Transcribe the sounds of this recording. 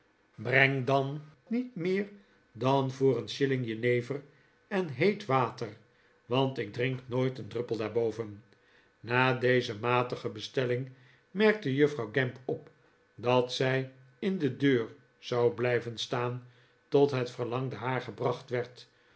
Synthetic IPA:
brɛŋdɑnː | itmɪːɹ | dɑnvʊːrənʃɪlɪŋjənejvər | ɛnɦejtʋaːtər | ʋɑntɪɡ̚drɪŋknoːjtəndrɵplˠdaːɹbowvən | naːdejzəmaːtəχəbəstɛlɪŋ | mɛɹk̚təjɵfrɑwɡɛmpɔp | dɑtsɛj | ɪndədøːɹ | z̥ɑwblɛjvənstaːn | tɔtɦətfəɹlɑŋdəɦaːɹχəbrɑχtʋɛɹt

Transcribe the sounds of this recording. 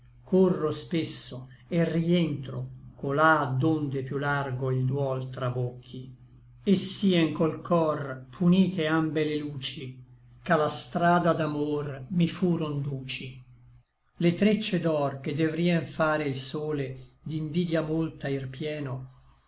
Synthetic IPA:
kʰorːospesːoerient̪ɾokolad̪ond̪epjularɡoild̪wɔlt̪ɾabokʰːi | esːiːɛŋkolkʰɔrpʰuniːt̪eambeleluːt͡ʃi | kalast̪ɾaːd̪ad̪amormifuːɾond̪uːt͡ʃi | let̪ɾet͡ʃːed̪ɔrked̪evɾiːɛɱfaːɾeilsoːled̪iɱviːd̪jamolt̪airpjɛːno

